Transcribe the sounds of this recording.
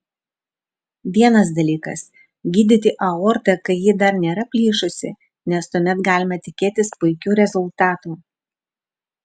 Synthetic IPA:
ʋʲiɛnɐsd̪ɐlʲiːkɐ̰s | ɡʲiːd̪ʲɪt̪ʲɪʔɐɔːɾt̪ɐkɐɪjɪːd̪ɐɾnʲeːɾɐpʲlʲiːʃʊsʲɪ̰ | nʲɛst̪uɔmʲɛt̪ɡɑːlʲɪmɐt̪ʲɪkʲeːt̪ʲɪspʊɪkʲuːɾʲɛzʊlˠt̪ɑːt̪uː

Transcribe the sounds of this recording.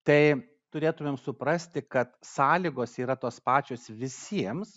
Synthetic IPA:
t̪ɐɪ | t̪ʊɾʲeːt̪ʊmʲeːmsʊpɾɐsʲt̪ʲɪkɐt̪sɑːlʲiːɡoːsiːɾɐt̪oːspɑːt͡ʃʲoːsʋʲɪsʲiɛms

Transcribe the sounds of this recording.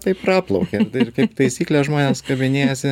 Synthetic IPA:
t̪ɐɪppɾɑːplˠɐʊkʲɛɪrkɐɪpt̪ɐɪsʲiːklʲesʒmoːnʲeːskɐbʲɪnʲeːjɛsʲɪ

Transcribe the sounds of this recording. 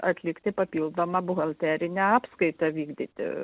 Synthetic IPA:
ɐt̪ʲlʲɪkt̪ʲɪpɐpʲiːlˠd̪oːmɐbʊɣɐlʲˠt̪ʲæːɾʲɪnʲɛɑːpskɐɪt̪ɐʋʲiːɡd̪ʲit̪ʲɪ̰

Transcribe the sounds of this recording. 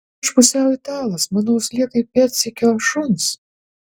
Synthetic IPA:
ʃpʊsʲæˑʊɪt̪ɑːlˠɐsmɑnoʊslʲiɛk̪ɐɪpʲɛɾt̪sʲɪkʲɛʃʊns

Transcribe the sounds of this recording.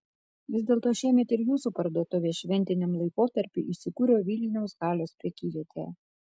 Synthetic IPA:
ʋʲɪzʲd̪ʲeːlˠt̪oːʃʲiɛmʲɛt̪ɪɾjuːsupɐɾd̪uɔt̪ʊʋʲeːʃʲʋʲɛnʲt̪ʲɪnʲɛmlˠɐɪkoːt̪ɐɾʲpʲiʔɪʃsʲɪkuːɾʲoːʋʲiːlʲnʲɛʊsɡɑːlʲoːspʲɾʲɛkʲiːdʲɛt̪ʲʰḛː

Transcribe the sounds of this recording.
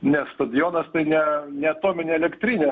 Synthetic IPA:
nʲɛst̪ɐd̪ʲjoːnɐst̪ɐɪnʲɛnʲɛɐt̪oːmʲɪnʲeːɛlʲɛkt̪ʲɾʲiːnʲeː

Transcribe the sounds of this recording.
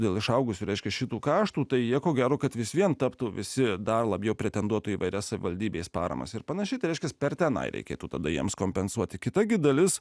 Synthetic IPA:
d̪ʲeːlˠɪʃɐʊɡʊsʲuːɾʲɛɪʃʲkʲɛʃʲɪt̪uːkɑːʃt̪uːt̪ɐɪjiɛkoːɡʲæːɾoːkɐt̪ʋʲɪsʋʲiɛnt̪ɑpt̪uːʋʲɪsʲɪd̪ɐrlˠɐbʲjɛʊpʲɾʲɛt̪ʲɛnd̪uɔt̪uːiːʋɐɪɾʲɛssɐʋʲɪ̰ʋɐlʲd̪ʲiːbʲeːspɑ̰ːɾɐ̰mɐ̰sɪɾpɐnɐʃʲɛɪt̪ɐɪɾɛɪʃkʲɛspʲɛɾt̪ʲɛnɐ̰ɪɾʲʔɛ̰ɪkʲḛːt̪uːt̪ɐd̪ɐjiɛmskoːmʲpʲɛnsuɔt̪ʲɪkʲɪt̪ɐɡʲɪd̪ɐlʲɪs

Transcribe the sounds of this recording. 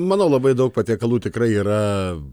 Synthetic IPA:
mɑːnoːlˠɐbɐɪd̪ɐʊk̚pɐt̪ʲiɛkɐlˠuːt̪ʲɪkɾɐɪiːɾɐ

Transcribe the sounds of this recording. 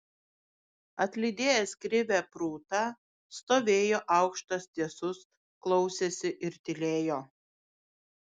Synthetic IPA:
ɐt̪ʲlʲɪd̪ʲeːjɛskɾʲɪʋʲæpɾuːt̪ɐ | st̪oːʋʲeːjoːʔɑˑʊkʃt̪ɐst̪ʲiɛsʊs | klˠɔʊsʲesʲɪʔɪɾt̪ʲɪlʲeːjoː

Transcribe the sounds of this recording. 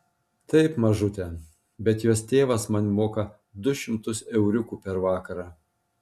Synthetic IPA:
t̪ɐɪpmɐʒʊt̪ʲɛ | bʲɛt̪joːst̪ʲeːʋɐsmɐnʲmoːkɐ | d̪ʊʃʲɪmt̪ʊsɛʊɾʲʊkuːpʲɛɾʋɑːkɐɾɑː

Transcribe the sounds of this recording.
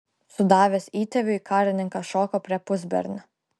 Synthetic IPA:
sʊd̪ɑːʋʲesʲiːt̪ʲɛʋʲʊikɑːɾʲɪnʲɪŋkɐʃɔːkopʲɾʲiɛpʊzʲbʲɛ̰ɾʲnʲo

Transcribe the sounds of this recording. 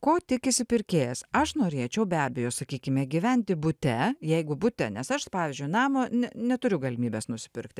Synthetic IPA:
koːt̪ʲɪkɪsʲɪpʲɪɾʲkʲeːjɛsɐʃnoːɾʲeːt͡ʃʲɛʊbʲæːbʲɛjoːsɐkʲiːkʲɪmʲɛɡʲɪʋʲɛnʲt̪ʲɪbʊt̪ʲɛjɛɪɡʊbʊt̪ʲɛnʲɛsɐʃpɑːʋʲɪːzʲd͡ʒʲʊɪnɑːmoːnʲɛnʲɛt̪ʊɾʲʊɡɐlʲɪmʲiːbʲɛsnʊsʲɪ̥pʲɪɾkt̪ʲɪ

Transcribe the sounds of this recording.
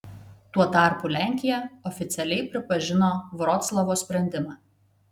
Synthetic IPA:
t̪uɔt̪ɑˑɾpuˑlʲæˑŋʲkʲɪjɛɔfʲɪt̪sʲɛlʲɛɪpʲɾʲɪpɐʒʲɪnoːʋɾɔt̪slˠɐʋoːsʲpʲɾʲɛnʲd̪ʲɪmɑː

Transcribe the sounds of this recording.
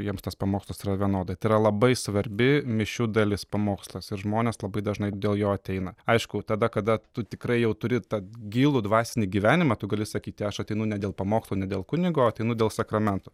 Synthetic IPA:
jiɛmst̪ɐspɐmoːkslˠɐsiɾɐʋʲiɛnoːd̪ɐt̪ɐɪiɾɐlˠɐbɐɪsʋɐɾʲbʲɪmʲɪʃʲuːd̪ɐlʲɪspɐmoːkslˠɐsɪɾʒmoːnʲeːslˠɐbɐɪd̪ɐʒnɐɪd̪ʲeːlˠjoːɐt̪ʲɛɪnɐɐɪʃkʊt̪ɐd̪ɐkɐd̪ɐt̪ʊt̪ʲɪkɾɐɪjɛʊt̪ʊɾʲɪt̪ɐɡʲiːlˠʊd̪ʋɑːsʲɪnʲiːɡʲiʋʲæːnʲɪmɑt̪ʊɡɐlʲɪsɐkʲiːt̪ʲɪɐʃɐt̪ʲɛɪnʊnʲɛd̪ʲeːlˠpɐmoːkslˠɐnʲɛd̪ʲeːlˠkʊnʲɪɡoːɐt̪ʲɛɪnʊd̪ʲeːlˠsɐkɾɐmʲɛnt̪ʊ

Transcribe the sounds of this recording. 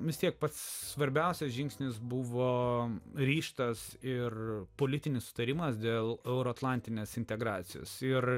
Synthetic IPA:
ʋʲɪst̪ʲiɛk̚pɐt̪ssʋɐɾʲbʲɛʊsʲɛsʒʲɪŋksʲnʲɪsbʊʋoːɾʲiːʃt̪ɐsɪrpoːlʲɪt̪ʲɪnʲɪssʊ̥t̪ɐɾʲɪmɐsd̪ʲeːlˠɛʊɾoːɐt̪lˠɑˑnʲt̪ʲɪnʲeːsɪnʲt̪ʲɛɡɾɑːt̪sʲɪjo̰ːsɪr

